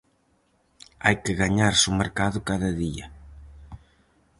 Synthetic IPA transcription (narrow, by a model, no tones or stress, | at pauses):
ajkɪɣaɲaɾsomeɾkaðʊkaðɐðiɐ